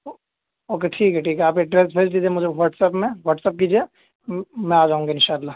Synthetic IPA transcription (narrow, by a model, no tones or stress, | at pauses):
oːkeʈʰiːkɦɛʈʰiːkɛaːpeʈɾeːsbʰʱeːsd̪iːd͡ʒemʊd͡ʒʱeʋəʈsɛpmẽʋəːʈsəp̚kiːd͡ʒie | mɛ̃aːd͡ʒaːɦũŋɡaɪ̃nʃaːlːaː